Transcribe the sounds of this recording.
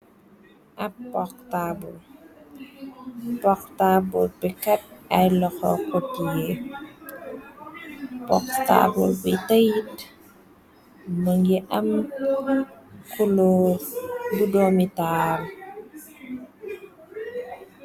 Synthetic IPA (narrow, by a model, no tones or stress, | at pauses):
ʔapːɔk̚tabɔl | pɔktabɔlbikɐt̚ajlɔxɔ̰kɔtie | pɔ̰kta̰bṵlbitajit | məŋɡiʔɐm | kuloːɾbudɔmital